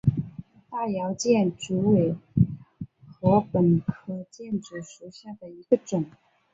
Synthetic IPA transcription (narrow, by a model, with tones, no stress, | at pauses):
t̪a˥˩jɑ˧˥ʊt͡ɕjɛ˥˩nʈ͡ʂu˧˥we˨˩ɪ | xɤ˧˥pə˨˩nkʰɤ˧˥˩t͡ɕjɛ˥˩nʈ͡ʂu˨˩ʂu˧˥˩ɕja˥˩d̪ə˩i˧˥ɡ̥ə˧ʈ͡ʂʊ˨˩˦ŋ